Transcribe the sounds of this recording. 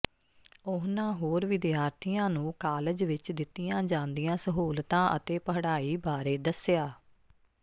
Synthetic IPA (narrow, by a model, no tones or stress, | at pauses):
ʊɦnãːɦoːɾʋɪd̪jaːɾt̪ʰijãːnũːkaːləd͡ʒʋɪt͡ʃd̪ɪt̪ːijãːd͡ʒãːnd̪ijãːsəɦoːlt̪ãːʔə̰t̪eːpəɦɽaːiːbaːɾeːd̪əsɪjaː